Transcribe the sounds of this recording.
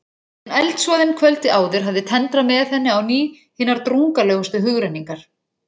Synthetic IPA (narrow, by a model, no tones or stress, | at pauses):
ɛnajlt̪svɔːðɪnkʰvœlt̪ɪaːwðʏɾ̥ɦavðɪt̪ʰɛnt̪ɾamɛθɛnːɪawniː | hiːnaɾt̪ɾuŋkalœːɣʏst̪ʏɦʏɣɾɛnːiŋkaɾ̥